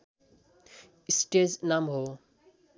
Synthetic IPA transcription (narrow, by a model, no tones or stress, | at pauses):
isʈeznamɦo